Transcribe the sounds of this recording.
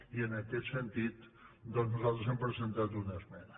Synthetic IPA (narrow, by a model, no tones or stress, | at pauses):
iənəkɛt̪sənt̪it̪ | d̪ɔnznuzalˠt̪ɾəzempɾəzənt̪at̪unəzmɛnə